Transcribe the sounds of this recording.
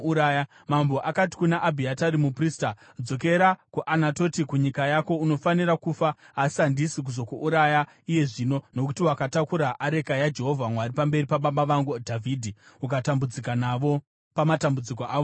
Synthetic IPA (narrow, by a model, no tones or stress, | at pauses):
uɾaja | mambo̞ʔakati̥kunaʔːbʱiataɾimupriːsta | d͡zo̞k̬e̞ɾakuʔanato̞tikuɲikajako̞uno̞faniɾakufaː | si̥andisik̬uzo̞kuʔuɾaja | ije̞ʐino̞no̞kutiwakatakuɾaʔaɾe̞kajad͡ʒe̞ɦo̞vʱamwaripambe̞ripaɓaɓaʋaŋɡudʱavʱiːdʱiukatambud͡zikanaʋo̞ | pamatambud͡zikoʔaːʋo